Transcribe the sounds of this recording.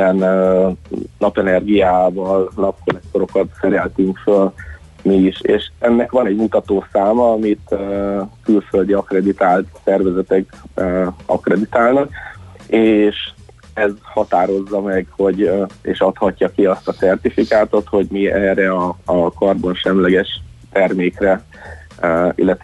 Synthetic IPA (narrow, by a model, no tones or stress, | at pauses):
ɛnø | nɒpɛnɛrɡijaːvɒlnɒp̚kolɛk̚t̪o̞ɾo̞kɒt̪sɛɾɛlt̪yŋkføl | miːʃḛːʃɛnːɛkʋɒnɛɟmut̪ɒt̪oːsaːmɒɒmit̪økylføld̪iɒkrɛd̪it̪aːlt̪sɛrvɛzɛt̪ɛkøːɒ̰krɛd̪it̪aːlnɒkeːʃ | ɛzhɒt̪aːɾo̞zːɒmɛɡho̞ɟeːʃɒt̪hɒcːɒkiɒst̪ɒtsɛrt̪ifikaːt̪o̞t̪ho̞ɟmiɛrɛɒːkɒrbo̞nʃɛmlɛɡɛʃt̪ɛrmeːkrɛ | ḭlːɛt̪